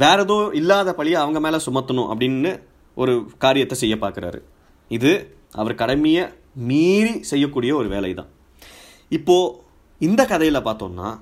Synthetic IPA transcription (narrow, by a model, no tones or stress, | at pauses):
ʋeːɾɐðõːʔɪlːaːðɐpɐɭɪjɐɐʋɐŋɡɐmeːlɐsʊmɐt̪ːɐnʊ̃ʔɐ̰pːɐɽɪnːɯ | ʔɔɾɯkaːɾɪjɐt̪ːɛsɛjːɐpːaːɾkɪɾa̰ːɾɯ̰ | ɪðɯ | ʔɐʋɐɾkɐɽɐmɪjɐ | miːɾisɛjːɐkːuːɽɪjɐɔɾɯʋḛːlɐɪt̪ã̰ː | ɪpːoː | ɪnd̪ɐkɐðɐjɪlɐpaːɾt̪o̰ːnːa̰ː